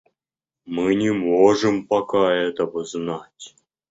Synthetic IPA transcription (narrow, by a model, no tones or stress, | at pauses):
mɨnʲɪmoʐɨmpakaɛt̪əbəznatʲ